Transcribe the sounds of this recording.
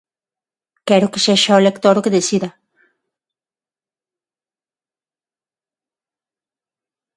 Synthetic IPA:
keɾokeseʃaolekt̪oɾokeðesiða

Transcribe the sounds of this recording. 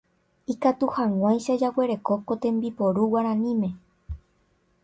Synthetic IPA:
ikat̪uhãwãjʃad͡ʒawe̞ɾe̞kokot̪ẽ̞mbipoɾuwaɾ̃ãnĩmẽ̞

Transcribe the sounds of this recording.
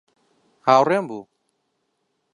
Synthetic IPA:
hawɾɛmbu

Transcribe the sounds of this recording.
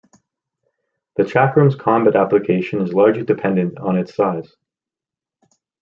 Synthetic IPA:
ðɨtʰækɹʉ̃mz̥kʰɑ̃mbæɾæplɨkʰeɪʃɨ̃nɨzlɑɹd͡ʒlidɨpʰɛ̃ndɨ̃ntn̩ɨtsaɪz̥

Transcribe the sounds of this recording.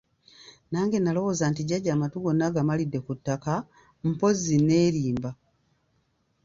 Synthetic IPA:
naːŋɡe̞nalo̞wo̞ːzantiɟaɟaːmatuɡo̞nːaɡamalidːe̞kutːaka | m̩po̞zine̞ːɾiːmba

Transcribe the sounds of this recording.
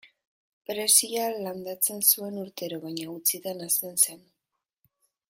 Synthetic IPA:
pɾe̞sialand̪at͡se̞nsue̞nuɾt̪e̞ɾo̞βaɲaut͡siðanast̪e̞nse̞n

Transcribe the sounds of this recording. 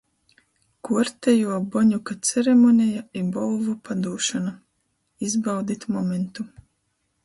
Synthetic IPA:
kuɔɾt̪ɛjuɔbɔɲukat̪sʲɛɾɛmɔnʲɛjaibɔlˠvupad̪uːʃana | izbawd̪it̪ʲmɔment̪u

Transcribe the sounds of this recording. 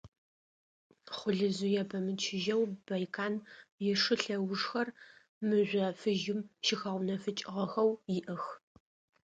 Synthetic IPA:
χʷʊɮɨzujɛbʰɐmɨt͡ʃʰɪʒɐwbɐjkʰaːnjɛʂɨɬɐwʂxɐr | mɨʒʷɐfɨʒɪmʃɪxɐʁʷnɐfɨt͡ʃʼɪʁɐxɐwjɪʔɐx

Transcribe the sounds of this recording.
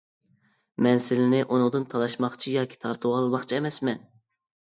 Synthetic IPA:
mɛnsɪlɪnɪʔunʊŋd̪ɨnt̪ʰɑlˠɑʃmɑχt͡ʃʰijɑːkʲʰi̥t̪ʰɑɾt̪ʰuwɑlˠbɑχt͡ʃʰiɛmɛsmɛn

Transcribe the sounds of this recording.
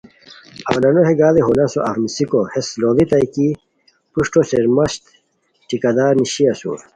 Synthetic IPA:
ɐ̰wlɐnoɦeɡaːleɦolɐsoʔɐ̰fnisikohesloːðit̪ɐjki | puʂʈoseɾmɐɕt̪ | ʈikɐd̪aːɾniɕiɐsṵ̃ː

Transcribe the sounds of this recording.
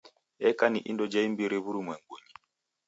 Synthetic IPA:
ɛkaniʔḭndɔd͡ʒaimbiɾiβuɾimwɛŋɡwuɲi

